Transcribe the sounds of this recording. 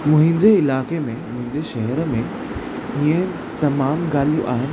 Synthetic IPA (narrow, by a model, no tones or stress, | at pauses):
mʊ̃ɦɪ̃ɲd͡ʑeɪlaːkemẽmʊ̃ɦɪ̃ɲd͡ʑeʃɐɦəɾəmẽ | ĩːə̃ | t̪ɐmaːmɡaːlijṵ̃ʔaːɦɪnɪ